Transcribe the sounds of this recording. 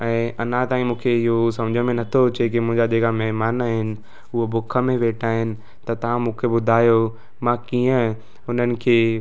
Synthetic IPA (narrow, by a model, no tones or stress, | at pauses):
ɛ̃ːʔɐnãt̪aːĩmũːkʰeɪɦosɐ̃md͡ʑʱəmẽnɐt̪ʰot͡ɕekimʊ̃ɦɪ̃ɲd͡ʑad̪eːɡamɛɦmaːnaːɦɪnɪ̆ | ʊɦobʊkʰə̆mẽʋeːʈʰaːɦɪnɪ̆ | t̪ɐt̪ɐʋ̤ãmũːkʰebʊd̪ʱaːjo | mãkiːə̃ | ʊn̤ənɪ̆kʰeː